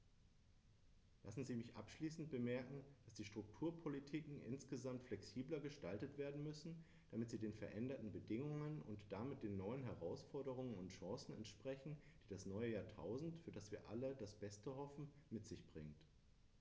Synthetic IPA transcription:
la̰sn̩ziːmɪçʔa̰pʃliːsn̩t̚b̥əmɛɐkŋ̩d̥asd̥iːʃtʁ̥ʊktʰuːɐpʰolitʰiːkŋ̩ʔɪ̰nsɡ̥əzamtflɛksiːblɐɡəʃtaltətv̥eːɐdn̩mʏsn̩ | d̥amɪtz̥iːdeːnfɛɐʔɛndɐtn̩bədɪŋʊŋənʊ̰ntd̥amɪt̚d̥eːnːɔʏənɦɛʁaʊsfɔɐɾəʁ̞ʊŋənʊntʃãːsn̩ɛ̰ntʃpʁ̥ɛçn̩d̥iːdasnɔʏəjaːɐtʰa̰ʊzn̩tfyːɐdasv̥iːɐʔa̰lədasb̥ɛstəhɔfn̩mɪtz̥ɪçb̥ʁɪŋt

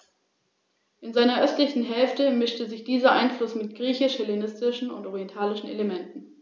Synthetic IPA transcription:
ʔɪnzaɪnɐʔœstlɪçn̩ɦɛlftəmɪʃtəzɪçd̥iːzɐʔaɪnflʊsmɪt̚ɡ̥ʁiːçɪʃhɛlenɪstɪʃn̩ʊ̰ntʔɔʁiɛntʰaːlɪʃn̩ʔḛləmɛntn̩

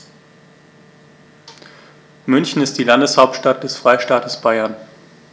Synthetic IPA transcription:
mʏnçn̩ɪst̚d̥iːlandəshaʊp̚tʃtat̚d̥ɛsfʁ̥aɪʃtaːtʰəsb̥aɪɐn

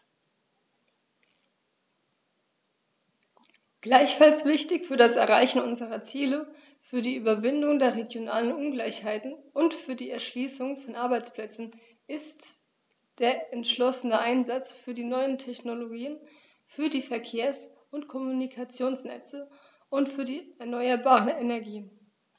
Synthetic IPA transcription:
ɡ̥laɪçfalsv̥ɪçtɪçfyːɐdasɛɐʁaɪçn̩ʔʊnzəʁɐt͡siːlə | fyːɐdiːʔyːbɐvɪndʊŋdeːɐʁeɡjona̰ːlənʔʊnɡlaɪçhaɪtn̩ʊntfyːɐdiːɛɐʃliːsʊŋfɔnʔaɐbaɪt͡spl̥ɛt͡sn̩ | ʔɪst | d̥eːɐʔɛntʃlɔsənəʔaɪnzat͡sfyːɐdiːnɔʏəntʰɛçnoloɡiːən | fyːɐdiːfɛɐkʰeːɐs | ʊntkʰɔmunikʰat͡sjoːnsnɛ̰t͡sə | ʔʊntfyːɐdiːɛɐnɔʏɐbaːʁənɛnɛɐɡiːən

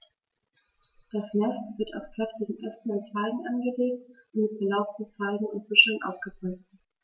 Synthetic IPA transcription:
d̥asnɛstv̥ɪɐta̰ʊskʁ̥ɛftɪɡŋ̩ʔɛsn̩ant͡saɪɡŋ̩ʔanɡəleːk̚tʔʊntmɪtfɛɐlaʊftn̩t͡saɪɡŋ̩ʊntb̥ʏʃənʔa̰ʊsɡ̥əbʁ̥yːst

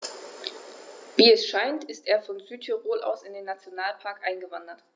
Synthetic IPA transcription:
viːɛsʃaɪntɪsteːɐfɔnzyːtʰyʁoːlʔa̰ʊsɪndeːnːat͡sjonaːlpʰaɐkʔaɪnɡəvandɐt

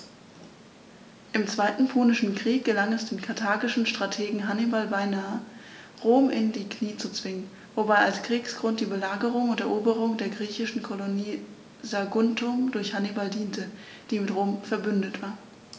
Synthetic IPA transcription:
ʔɪmt͡sv̥aɪtn̩pʰɔːnɪʃn̩kʁ̥iːk̚ɡ̥əlaŋɛsd̥eːnkʰaɐtʰaːɡɪʃn̩ʃtʁ̥atʰeːɡŋ̩ɦanibalbaɪnaːə | ʁoːmʔɪndiːkʰniːt͡sut͡sv̥ɪŋən | vobaɪalskʁ̥iːksɡ̥ʁʊnt̚d̥iːbəlaːɡəʁʊŋʊntɛɐʔoːbəʁ̞ʊŋdeːɐɡʁiːçɪʃn̩kʰoloniː | zaɡʊntʰʊmdʊɐçhanibaldiːntə | d̥iːmɪtʁoːmfɛɐbʏndətv̥aːɐ

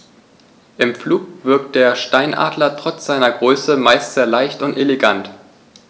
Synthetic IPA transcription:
ʔɪmfluːkv̥ɪɐk̚t̚d̥eːɐʃtaɪnʔa̰ːdlɐtʁ̥ɔt͡sz̥aɪnɐɡʁøːsəmaɪstz̥ɛɐlaɪçtʊnteleɡant

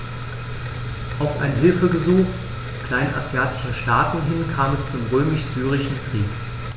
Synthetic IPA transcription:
ʔaʊfʔa̰ɪnənɦɪlfəɡəzuːx | kl̥aɪnʔa̰zjaːtɪ̥ʃɐʃtaːtn̩ɦɪnkʰaːmɛst͡sʊmʁøːmɪʃz̥yːʁɪʃn̩kʁ̥iːk

